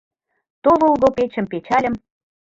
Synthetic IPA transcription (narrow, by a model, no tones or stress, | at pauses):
t̪ovəlɣopet͡ɕə̆mpet͡ɕɑlʲə̆m